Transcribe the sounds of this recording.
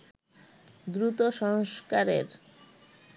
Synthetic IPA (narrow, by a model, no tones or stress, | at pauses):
d̪ɾut̪oʃɔŋskaɾeɾ